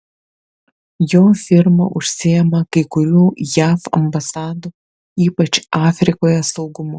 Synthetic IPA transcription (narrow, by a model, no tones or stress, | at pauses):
joːfʲɪɾmɐ̰ʔʊʃʲsʲɪjɛmɐkɐɪkʊɾʲuːjæːfɐ̰mbɐsɑːd̪u | iːpɐt͡ʃɑːfʲɾʲɪkoːjɛsɒʊɡʊmʊ